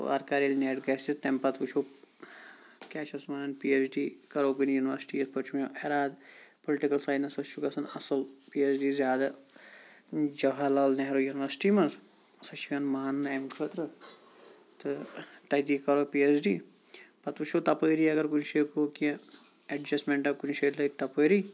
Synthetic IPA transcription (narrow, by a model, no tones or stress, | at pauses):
o̰ɐ̰ɾkaːɾilneːʈɡɐːsist̪empɐt̪ʋut͡ʃʰoː | kʲaːʃɐsmɐnɐnpiesɖiːkɐɾoːkɨnjuːniʋɐɾsʈiːɐspɐt͡ʃʰumoʔeɾaːd̪poliʈikɐlsaːjnɐsɐt͡ʃʰukɐsɐnɐsɐlpiesɖiːzʲjaːd̪a | d͡ʒɐɦɐlalneɦɾoːjuniʋɐɾsi̥ʈiːmɐz | ɐsɐʃʰikɐnmaːnːemkʰɐt̪ɾɨ | t̪ɨt̪ɐd̪iːkɐɾoːpiesɖiː | pɐt̪ut͡ʃʰoːt̪ɐpəːɾiːɐɡɐɾkunʃeːkoːkĩ | ɐɖd͡ʒɐsʈmẽɳʈɐkunʃeːʈlɐt̪ɐpəːɾiː